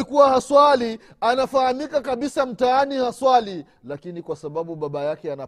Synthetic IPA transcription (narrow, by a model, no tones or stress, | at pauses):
ikuwahaswalianafahamikakaɓisam̩taanihaswali | lakinikwasaɓaɓuɓaɓajakɛana